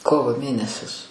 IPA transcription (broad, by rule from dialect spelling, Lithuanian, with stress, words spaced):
ˈkoːʋoː ˈmʲeːnʲɛsʲɪs